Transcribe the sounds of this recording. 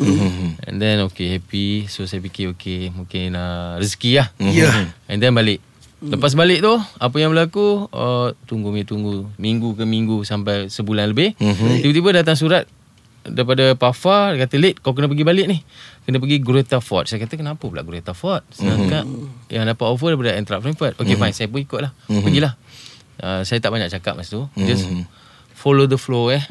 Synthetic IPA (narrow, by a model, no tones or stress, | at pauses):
ɛ̰̃ndɛnokehɛpisosajap̬ikɪokemũkɪnəriskiahjɛndɛnbalɪʔ | ləpas̬balɪʔt̪ʊhap̬əjaŋbəlakuət̪uŋɡʊŋɲat̪uŋɡumiŋɡukanmiŋɡusampajsəbulanləbɪhtt̪ibət̪ibədat̪̬aŋs̬uɾat̪̚ | daip̬adəpafakat̪əlet̪̚kawk̬ənəp̬əɡibalɪʔnɪhkənəp̬əɡiɡɾet̪afɔt̪̚sajəkat̪əkənapəpəla̰ʔɡɾet̪afɔt̪̚sənakaʔ̪̚jaŋdapat̪ofədaɾip̬adəɛnt̪ɾaʔ̚fɾɛmfət̪̚okefaŋsajəp̬unikʊt̪̚lahpəɡilah | əsajat̪aʔbaɲak̚t͡ʃaka̰p̚mast̪ud͡ʒas | folodəfloəh